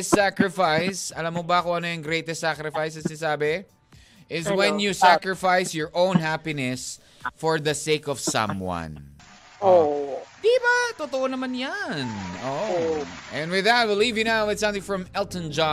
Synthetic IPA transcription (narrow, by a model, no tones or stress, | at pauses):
sakɹɪfajsɐlamːobɐkʊʔɐnojɐŋɡɾejt̪ɛsakɾɛfajsɐsɪnsaːbɛ | ʔɪzwɛ̃njusakɹɪfajsjɔɹʔõʊ̃nɦapinɛs | fɔɹðɐseɪkɔv̥sʌ̰̃mwʌ̰̃n | od̪ibat̪ot̪oʔonɐmanjano | ʔɛ̃nwɪðɐt̪̚wɪlivjɨnawwɪd̪sɐ̃mθɪ̃ŋfɹɐ̃mɛlt̪ə̃nd͡ʒa